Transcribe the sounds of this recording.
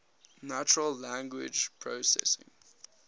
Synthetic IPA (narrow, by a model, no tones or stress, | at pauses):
nat͡ʃəɹəlːæ̃ŋɡwɪ̰d͡ʒpʰɹosɛ̰sɪ̰̃ŋ